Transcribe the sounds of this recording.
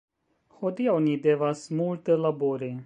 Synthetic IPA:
xod̪iawnid̪evasmult̪əlaboɾe

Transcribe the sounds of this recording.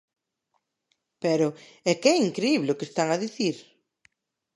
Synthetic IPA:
pɛɾʊɛkɛiŋkɾeiβleʊkest̪aŋaðiθiɾ

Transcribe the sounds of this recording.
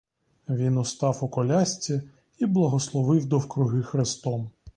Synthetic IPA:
ʋʲinʊst̪ɑwʊkɔlʲasʲt͡sʲi | iblˠɐɦɔslˠɔʋɪwd̪ɔwkɾʊɦɪxɾest̪ɔm

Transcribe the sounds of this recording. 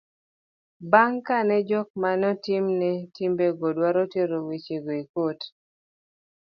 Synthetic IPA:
baŋkanɛd͡ʒɔk̚manɔtimnɛtimbeɡɔdwaɾɔtjeɾowit͡ʃeɡoikot

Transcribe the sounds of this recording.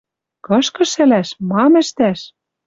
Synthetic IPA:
kɤ̆ʃkɤ̆ʃɘ̆læʃmɑmɘ̆ʃt̪æʃ

